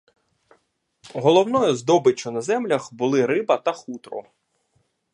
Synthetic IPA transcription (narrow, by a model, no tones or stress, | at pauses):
ɦɔlˠɔwnɔjʊzd̪ɔbɪt͡ʃːɔnɐzɛmlʲɐxbʊlˠɪɾɪbɐt̪ɐxut̪ɾɔ̰